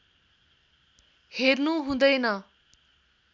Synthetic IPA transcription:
heɾnuɦũd̪ʌjnʌ

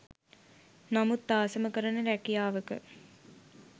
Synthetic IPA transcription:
namut̪ːaːsəməkəɾɐnəɾækijaːʋəkə̰

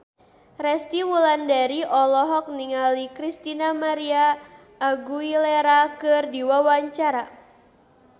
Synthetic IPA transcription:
rɛst̪iwulandaɾiʔɔlɔɦɔk̚niŋalikɾist̪inamaɾiaː | ɡuileɾakɨrdiwawaɲt͡ʃaɾa

